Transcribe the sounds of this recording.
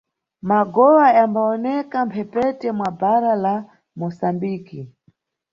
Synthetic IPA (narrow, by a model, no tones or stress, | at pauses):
maɡɔwajambaɔnɛkampʰɛpɛtɛmwabaɾala | mɔsambiːki